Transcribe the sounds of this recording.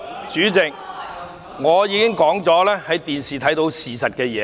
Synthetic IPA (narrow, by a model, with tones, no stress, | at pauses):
t͡ʃyː˨˥t͡sɪ˨k̚ | ŋɔː˨˧jiː˨˧kɪ˥ŋkɔː˨˥ŋt͡sɔː˨˥lɛː˥hɐ˨˥jt̪iː˨nsiː˨t̪ʰɐ˨˥jt̪o˧wsiː˨sɐ˨t̚kɛː˧jɛː˨˧